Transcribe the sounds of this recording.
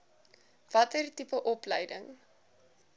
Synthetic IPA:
v̥ɐtərtipəʔɔpləjdəŋ

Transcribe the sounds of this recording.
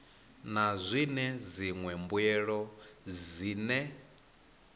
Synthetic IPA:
nazʷinɛd͡ziŋwɛmbwɛɺɔziːnɛ

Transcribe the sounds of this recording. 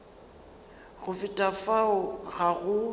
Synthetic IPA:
ɣʊfɪtʼafaʊɣaɣʊ

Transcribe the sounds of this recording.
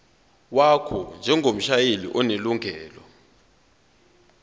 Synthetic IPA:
wakʰɔnd͡ʒʱɛŋʱom̩ʃajelḭʔɔneluŋʱɛːlɔ

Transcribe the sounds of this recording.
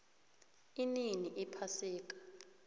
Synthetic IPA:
ininiʔipʰasiːk̬ḁ

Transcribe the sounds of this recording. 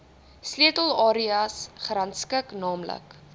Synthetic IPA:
sliətəlˠɑːɾiɐsχrɐntskəknɑːmlə̰k

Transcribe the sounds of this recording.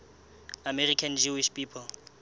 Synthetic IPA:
amɛrikʰand͡ʒuiʃpiːpʰɔl

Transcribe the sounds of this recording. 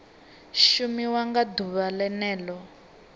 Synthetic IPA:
ʃumiwaŋɡaduβalɛnɛːlɔ

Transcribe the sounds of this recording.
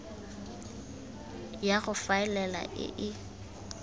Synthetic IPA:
jaɣʊfaɪlɛla̰ʔɪ̰ʔɪ

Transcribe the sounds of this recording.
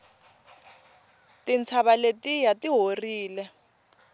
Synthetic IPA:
tint͡sʰaβaletijatiɦoriːlɛ

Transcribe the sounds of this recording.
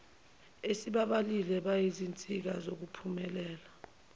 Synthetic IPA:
esiɓaɓalilɛɓajizint͡sʼik̬azok̬upʰumɛlɛːla

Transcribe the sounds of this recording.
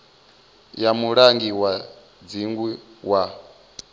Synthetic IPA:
jamuɺaŋɡiwa | d͡ziŋɡwiwa

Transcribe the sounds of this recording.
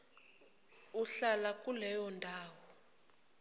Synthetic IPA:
uɬalakʼulɛjɔndʱaːwɔ

